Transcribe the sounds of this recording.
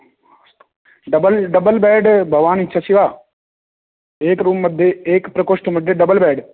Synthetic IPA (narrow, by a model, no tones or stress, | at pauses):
ɖɐbəlɖɐbəlbɛːɖbʱɐʋaːnitːʃʰasiʋaː | eːkɾuːmːɐd̪ʱːjeeːkpɾɐkoːʂʈmɐd̪ʱːjeɖɐbəlbɛːɖ